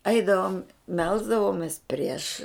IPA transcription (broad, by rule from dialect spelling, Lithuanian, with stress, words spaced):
ˈɐɪdɐʋoːm ˈmʲɛlˠzdɐʋoːmʲeːs pʲrʲiɛʃ